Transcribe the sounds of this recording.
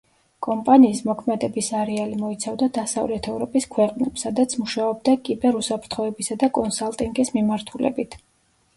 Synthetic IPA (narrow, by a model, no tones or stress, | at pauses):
kʼɔmpʼaniːsmɔkʰmɛd̪ɛbisaɾɛalimɔit̪sʰavd̪ad̪asa̰vlɛt̪ʰɛvɾɔpʼiskʰwɛqʼnɛpsad̪at̪sʰmuʃaɔb̚d̪akʼibɛɾusapʰɾt̪ʰχɔɛbisad̪akʼɔnsalˠt̪ʼiŋɡismimaɾt̪ʰulɛ̰bit̪ʰ